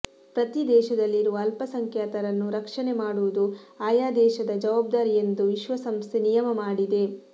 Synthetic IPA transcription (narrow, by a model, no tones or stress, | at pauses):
pɾɐt̪id̪ɛːʃɐd̪ɐlːiɾuʋɐːlpɐsɐŋkʰjaːt̪ɐɾɐnːuɾɐkʂɐnemaːɽuʋud̪uaːjaːd̪ɛːʃɐd̪ɐd͡ʒɐʋaːb̚d̪aːɾijend̪uʋiʃʋɐsɐmst̪ʰenijɐmɐmaːɽid̪e̞